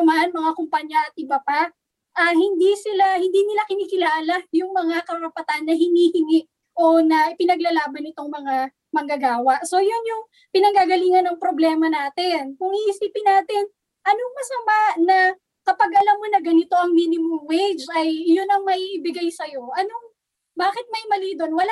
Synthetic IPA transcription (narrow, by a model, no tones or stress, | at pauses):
maɐnmɐŋakʊmpɐɲjaʔɐt̪̚ʔɪbapa | ʔɐhɪnd̪isɪlahɪnd̪iːnɪlakɪniːkɪlaːlajʊŋmɐŋakɐɾɐpɐt̪anːɐɦɪniːhɪŋɪʔ | ʔo̞nɐʔɪpɪnɐɡlɐlaːbɐnɪt̪o̞ŋmɐŋa | mɐŋɡɐɡaːwɐʔso̞jʊnjʊŋ | pɪnɐŋɡaɡɐliːŋɐnːɐŋpɾo̞blɛːmɐnaːt̪ɪnkʊŋiʔɪsiːpɪnaːt̪ɪn | ʔɐnoŋmɐsɐmaʔnɐ | kɐpaɡʔɐlamːonɐɡɐnɪt̪o̞ʔɐŋmiːnɪmʊŋwejd͡ʒʔɐjːʊnɐŋmɐjʔɪbɪɡajsɐjo̞ʔɐnoŋ | baːkɪt̪̚mɐjmɐliːd̪o̞nwɐla